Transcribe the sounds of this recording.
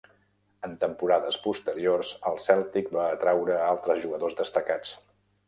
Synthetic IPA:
ənt̪əmpuɾaðəspust̪əɾiorzəlˠsɛlˠt̪ik̚baːt̪ɾawɾəalˠt̪ɾəzʒuɣəðozðəst̪əkat͡s

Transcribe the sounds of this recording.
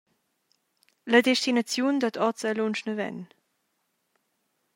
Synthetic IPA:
lədɛʃtinat͡sjund̪ət̪ʰɔt͡səlonʃnəvɛ̰n

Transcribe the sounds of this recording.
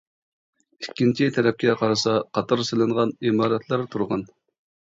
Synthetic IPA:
ikʲːint͡ʃʰit̪ʰæɾɛp̚kʲɛqʰɑɾɨsɑqʰɑt̪ʰɑɾselɪŋʁɑnimɑːɾɛt̪ʰlˠæɾt̪ʰuɾʁɑn

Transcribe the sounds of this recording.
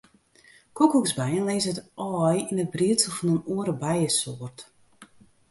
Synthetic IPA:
kʰukukzbɛjənleːsətɔːjinət̚briətsəlˠfɔnənuəɾəbɛjəsoərt

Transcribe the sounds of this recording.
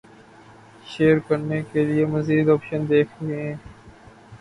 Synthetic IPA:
ʃeːəɾkɐɾnekeliemɐziːd̪ɔːpʃənd̪eːkʰɾɐɦiɦɛ̃ː

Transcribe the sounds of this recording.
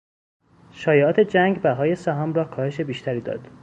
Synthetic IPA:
ʃɒːjeɒːt̪ʰe̞d͡ʒæŋɡbæɦɒːje̞sæɦɒːmrɒːkʰɒːhe̞ʃe̞biːʃt̪ʰæɾiːd̪ɒ̰ːd̪̥

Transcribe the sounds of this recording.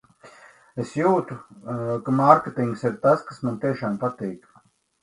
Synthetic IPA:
esjuːt̪ukamaɾkʲet̪iŋɡsiɾt̪askasmant̪iɛʃaːmpat̪iːk

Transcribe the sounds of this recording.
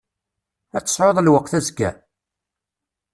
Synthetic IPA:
æt͡sːə̥sˤʕoðˤlwəqːθæzɡæ̰

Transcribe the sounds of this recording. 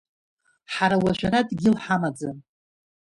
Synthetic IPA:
ħaɾawaʒʷᶣaɾadɡʲɪlħamad͡zan

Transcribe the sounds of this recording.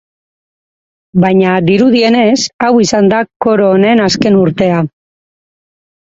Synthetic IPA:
bajɲad̪iɾuð̞ie̞ne̞sawisand̪ako̞ɾo̞ːne̞naske̞nuɾt̪e̞a

